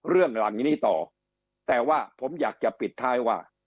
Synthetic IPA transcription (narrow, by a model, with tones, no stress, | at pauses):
ɾɯ˥˩əŋla˨˩˦ŋniː˥˩t̪ɔ̰ː˨˩ | t̪ɛː˨˩waː˥˩pʰo˩˦mjaː˨˩k̚t͡ɕa˨˩pi˨˩t̪ʰːaː˦˥˩jwaː˥˩